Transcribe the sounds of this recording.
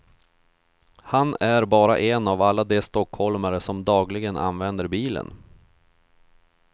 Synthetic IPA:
hanæɾbɑːɾa̰ʔɛnavalːad̪ɛst̪ɔkhɔlmaɾəsɔmd̪ɑːɡlɪɡəna̰nvɛnd̪əɾbiːlə̰n

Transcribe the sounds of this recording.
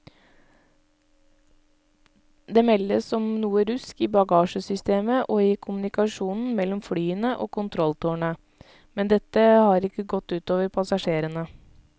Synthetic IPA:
d̪eːmɛlːəsɔmnuːəɾʉskiːbɑɡɑːʂəsʏst̪eːməʔoːɪkʰʊmʉnɪkɑʂuːnn̩mɛlːɔmflyːənəʔoːkʰʊnt̪ʰɾɔlt̪ʰuːɳə | mɛnd̪ɛt̪ːəhɑːɾɪkːəɡɔt̪ːʉːt̪oːʋəɾpʰɑsɑʂeːɾənə

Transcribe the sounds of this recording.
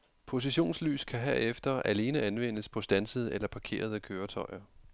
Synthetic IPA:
pʰo̝s̬iɕo̝̰ːnsly̰ːskʰæɦeɐ̰efd̥ɐʔæle̝ːnəænʋen̰əspʰɒ̽sd̥ænsəð̞̩ˠʔelɐpʰɑ̈kʰe̝̰ːɐð̞ˠəkʰøːɐt͡sʰɒ̽ɪɐ

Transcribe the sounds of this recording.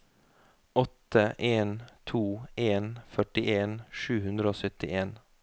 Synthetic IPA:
ɔt̪əʔeːnt̪ʰuːeːnfœʈɪʔeːnʃʉːhʉnd̪ɾəoːsœt̪ɪʔeːn

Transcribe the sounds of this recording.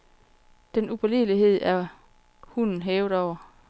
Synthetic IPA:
d̥enupʰɐliliɦe̝ð̞̰ˠæɐ | hun̰n̩ɦeːʊðˠɒʊ̰ɐ

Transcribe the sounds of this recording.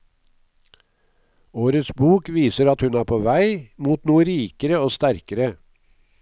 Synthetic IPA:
oːɾət̪sbuːkʋiːsəɾɑt̪hʉnæːɾpʰoːʋæɪmuːt̪nuːəɾiːkəɾəoːst̪æɾkəɾə

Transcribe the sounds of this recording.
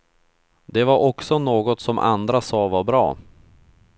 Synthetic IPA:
d̪̥ɛvaɾʔɔksɔnoːɡɔt̪sɔmʔa̰nd̪ɾasɑːvaɾbɾɑ̰ː

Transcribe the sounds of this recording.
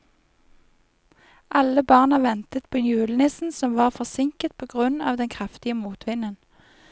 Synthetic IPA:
ʔɑləbɑʁnɑʋɛnt̪ət̪̚pʰoːnjʉːlənɪsn̩sɔmʋɑːʁfɔsɪŋkət̪̚pʰoːɡʁʉnɑ̰ːʋd̪ɛnkʰʁɛft̪ɪəmuːt̪ʰʋɪnən

